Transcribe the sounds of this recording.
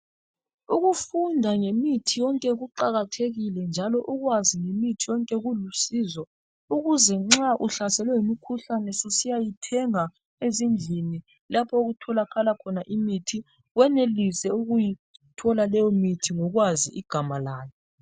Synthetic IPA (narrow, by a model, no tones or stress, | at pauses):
uɣufundʱaŋemitʰijɔŋkʼɛɣuǃaɣatʰeɣilɛnd͡ʒʱalɔʔuɣwaziŋemitʰijɔŋkʼɛɣulusizwɔ | uɣuzɛŋ͡ǁaʔuɬasɛlwɛjimikʰuɬanɛsisijajitʰɛŋa | ezind͡ɮʱini | lapʰɔoɣutʰɔlakʰalakʰɔnaʔimitʰi | ɣwɛnelisɛuɣujitʰɔlalɛjɔmitʰiŋɔɣwaziʔiɡ̥ʱamalaːjɔ